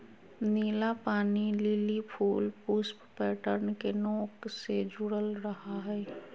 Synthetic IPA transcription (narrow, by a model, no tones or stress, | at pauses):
niːlapaːniliːlipʰuːlpusppɛːʈəɾnkenoːksed͡ʒʊɽəlɾəɦaɦɛː